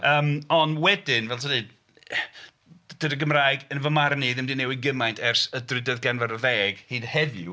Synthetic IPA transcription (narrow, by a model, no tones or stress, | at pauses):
əːmɔnwɛdɪnvɛltʰədiɨd | d̥ədəɡəmraːjɡənvəmarniːðɪmdinɛwɪɡəmajntʰɛrsədrɨdəðɡɛnvaɾəðɛːɡ̥hiːd̥hɛðjṵ